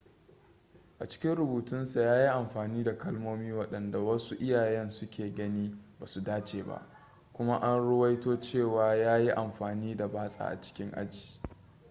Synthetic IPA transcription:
ʔa˨t͡ʃɪ̥˦kʲɪ˦nɽʊ˨buː˨tʊ˦nsa˨jaː˦ji˦ʔa˨mɸaː˨niː˦da˨kɐ˦lmoː˦miː˦wɐ˦ɗɐ˨nda˨wɐ˦su˦ʔɪ˦jaː˨jɛ˦nsʊ˦kʲeː˨ɡɐ˦niː˦baː˨su˨daː˦t͡ʃeː˨ba̰˦ʔ | kʷʊ˦ma˦ʔa˦nɽɪ˦wɐ˦jtoː˦t͡ʃeː˦˨waː˨jaː˦ji˦ʔa˨mɸaː˨niː˦da˨baː˦sʼa̰˨ʔa̰˨t͡ʃɪ̥˦kʲɪ˦ŋʔa̰˦d͡ʒi̥ː˨

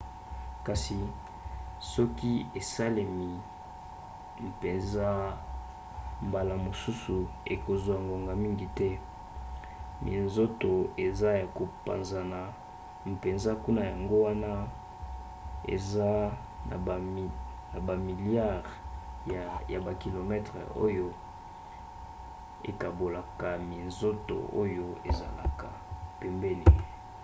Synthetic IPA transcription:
ka˨si˨ | sɔ˦ki˦e˨sa˦le˨mi˨ | m̩˨pe˨nza˦ | mba˨la˨mo˨su˦su˨e˨ko˨zwa˨ŋɡo˨ŋɡa˨mi˦ŋɡi˨tɛ˦ | mʔḭ˨nzo˦to˨e˨za˦ja˨ko˨pa̰˨nza˨na˨ | m˨pe˨nza˦ku˦na˦ja˨ŋɡo˦wa˦na˦ | ḛ˨za˦ | na̰˨ | na˨ba˨mi˨lja˦˨ʁ | ja˨ba˨ki˨lo˨mɛ˦tʁe˨o˦jo˦ | ḛ˨ka˨bo˨la˨ka˨mi˨nzo˦to̰˨o˦jo˦ḛ˨za̰˨la̰˨ka̰˨pɛ˨mbɛ˦ni˨

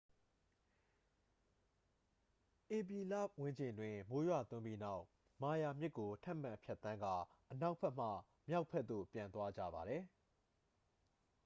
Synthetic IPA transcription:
ʔe˨p̬i˨la̰˦˨wɪ̃˦ɲd͡ʑɪ̃˨ndwɪ̃˨mo˦jwa̰˦˨t̪ʊ̃˦mbi˦na˦ʊʔ | ma˨ja˨mjɪ˦kːo˨tʰã˦˨m̥ã˨pʰjɛ˦ʔt̪ːã˦ŋɡa˦˨ | ʔəna˦ʊʔpʰɛ˦ʔm̥ä̰˦˨ | mja˦ʊʔpʰɛ˦t̪t̪ðo̰˦˨pjã˨nt̪wa˦d͡ʑä̰˦˨ba˨ɾɛ˨

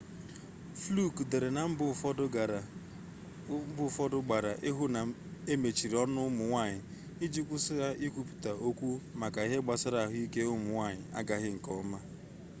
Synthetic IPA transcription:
flu˦˨kde˨ɾe˨na˨m̩˦˨˦ | bʊ˦fɔ˦dʊ˦ɡ͡ba˨ɾa˨ʔe˦ɦu˦na˨ | e˦me˨t͡ʃi˨ɾi˨ɔ˦nʊ˦mʊ˨ŋʷa˦˨ɲɪ˨ | i˦d͡ʒi˦kʷʊ˦sɪ˦ɣa˦ʔi˦kʷu˦pu̥˨ta˨o˦kʷu˦ma˨ka˨i˦ɦe˦ɡ͡ba˨sʊ˦ɾa˨ɦʊ˦i˦ke˦ʊ˦mʊ˨ŋʷa˦˨ɲɪ˨a˦ɡa˨ɣɪ˦ŋ̩˨kɔ˦ma˦

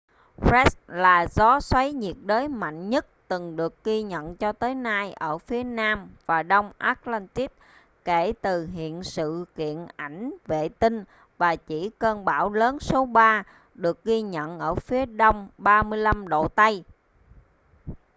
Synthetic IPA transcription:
fɛ˦˥s̚laː˨˩zɔ˨˦swa˨˦jɲi˨˩ət̚ɗəː˨˦jma̰˧˨jŋɲə˦˥t̚t̪ɨ˨˩ŋɗɨ˨˩ək̚ɣi˧ɲə̰˧˨nt͡ɕɔ˧t̪əː˨˦jnaː˧jʔəː˧˩fi˨˦ənaː˧mvaː˨˩ɗə˧wŋ͡mʔaː˦˥t̚la˧nt̪i˦˥k̚ | ke˧˩t̪ɨ˨˩ɦḭ˧˨ənsɨ̰˧˨kḭ˧˨ənʔa˧˩jŋ̟vḛ˧˨t̪ï˧ŋ | vaː˨˩t͡ɕi˧˩kəː˧nɓaː˧˩wləː˨˦nso˨˦ɓaː˧ | ɗɨ˨˩ək̚ɣi˧ɲə̰˧˨nʔəː˧˩fi˨˦əɗo˧wŋ͡mɓaː˧mɨ˧əjla˧mɗo̰˧˨t̪a˧j

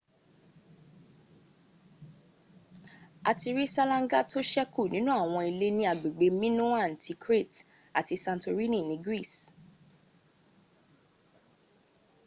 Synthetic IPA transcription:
a˨ti˧ɾi˦sa˦lã˧ŋ˦ɡa˦tʰo˦ʃɛ˦ku˦˨nĩ˨˦nũ˦a˦˨w̃ɔ̃˧i˧le˦nĩ˧a˨ɡ͡be˨ɡ͡be˨˧mĩ˦nũ˦a˦˨n̩˨tʰi˧kɾe˦˨t | a˨ti˧sã˧nto˧ɾi˦nĩ˦˨nĩ˨˦ɡɾi˦˨s

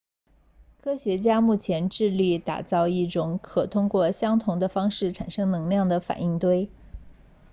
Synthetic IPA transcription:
kʰɤ˥ɕɥɛ˧˥t͡ɕja˥mu˥˩t͡ɕʰjɛ˧˥nʈ͡ʂɻ̩˥˧li˥˩t̪a̰˨˩t͡sɑ˥˧ʊi˥˩ʈ͡ʂʊ˧˥ŋkʰɤ˨˩t̪ʰʊ˥ŋkwɔ˥˩ɕjɑ˥ŋt̪ʰʊ˧˥ŋd̪ə˧fɑ˥ŋʂɻ̩˥˩ʈ͡ʂʰa˨˩nʂɤ˥ŋnɤ˧˥ŋljɑ˥˩ŋd̪ə˩fa̰˨˩ni˥˩ŋt̪we˥ɪ

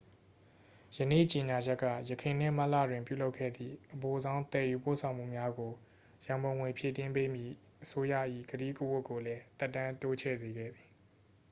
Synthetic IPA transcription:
jənḛ˦˨t͡ɕe˨ɲa˨d͡ʑɛ˦kːä̰˦˨jəkʰẽ˨n̥ɪ̰̃˦˨m̥a˦ʔlä̰˦˨dwɪ̃˨mpjṵ˦˨lo˦ʊkʰːɛ̰˦˨d̪ðḭ˦˨ʔəpo˨zã˦ʊ̃t̪ɛ˨ju˨po̰˦˨sʰã˨ʊ̃m̥ṵ˦˨mja˦ɡo˨ | jã˨mbõ˨ʊ̃ŋwɪ̃˨pʰje˦˨tɪ̃˦mpe˦mjḭ˦˨ | ʔəso˦jä̰˦˨ʔḭ˦˨ɡəɾḭ˦˨kə˦wʊ˦kːo˨lɛ˦t̪ɛ˦tːã˦nto˦t͡ɕʰɛ̰˦˨ze˨ɡɛ̰˦˨d̪ði˨

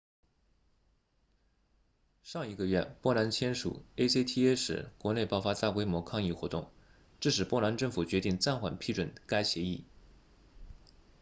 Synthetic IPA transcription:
ʂɑ˥˩ŋi˧˥ɡə˧ɥɛ˥˩pwɔ˥la˧˥nt͡ɕʰjɛ˥nʂṵ˨˩e˥se˥ɪt̪ʰi˥˧e˥ʂɻ̩̰˧˩kwɔ˧˥ne˥˧ɪpɑ˥˧ʊfa˥t͡sa˥˩kwe˥ɪmwɔ˧˥kʰɑ˥˧ŋi˥˩xwɔ˧˥t̪ʊ˥˩ŋ | ʈ͡ʂɻ̩˥˩ʂɻ̩˨˩pwɔ˥˩la˧˥nʈ͡ʂɤ˥˩ŋfu˨˩t͡ɕɥɛ˧˥t̪i˥˧ŋt͡sa˥˩nxwa̰˨˩npʰi˥˩ʈ͡ʂwə˨˩nka˥ɪɕjɛ˧˥i˥˩

